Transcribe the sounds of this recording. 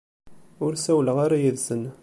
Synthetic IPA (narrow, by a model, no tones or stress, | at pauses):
ʊɾsæwləʁaɾajəðzən